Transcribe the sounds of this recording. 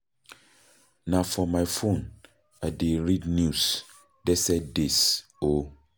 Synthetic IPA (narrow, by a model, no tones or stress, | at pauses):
nãfɔmaɪfõn | aɪdeɹidnjus | dɛsɛdis | o